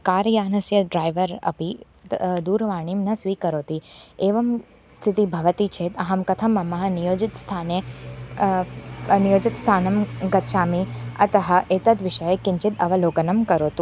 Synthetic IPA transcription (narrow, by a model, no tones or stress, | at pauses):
kaːɾjaːnɐsjɐɖɾaːjʋəɾɐ̰pi | d̪uːɾʋaːɽ̃imnɐsʋiːkəɾoːt̪ieːʋɐm | st̪ʰɪt̪ibʱɐʋət̪it͡ʃʰeːt̪ɐɦɐmkɐt̪ʰɐmɐmɐɦɐnijoːd͡ʒɪt̪st̪ʰaːne | nijoːd͡ʒɪt̪st̪ʰaːnɐmɡɐt̪ʃaːmiɐ̰t̪ɐɦɐ̆ʔeːt̪ɐt̪ʋɪʃɐjekɪɲt͡ʃɪt̪ɐʋɐloːɡɐnɐmkɐɾoːt̪ũ